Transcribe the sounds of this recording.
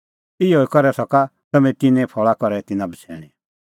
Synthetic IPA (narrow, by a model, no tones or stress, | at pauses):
ɪɦoikɔɾɛsɔka | t̪ɐmɛ̃t̪ɪnɛ̃pʰɔɭakɔɾɛt̪ɪnãbət͡sʰɛ̰ːɽ̃i